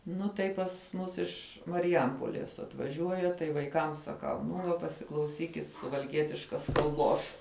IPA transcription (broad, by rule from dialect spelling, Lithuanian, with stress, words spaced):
ˈnʊ tɐɪ pɐs ˈmʊs ˈɪʃ mɐrʲɪˈjɛmpoːlʲeːs ɐtʋɐˈʒʲuɔjɛ tɐɪ ʋɐɪˈkɐm sɐˈkɐʊ ˈnʊ ʋɐ pɐsʲɪklˠɐʊˈsʲiːkʲɪt sʊʋɐlʲˈkʲiɛtʲɪʃkɐs kɐlˠˈboːs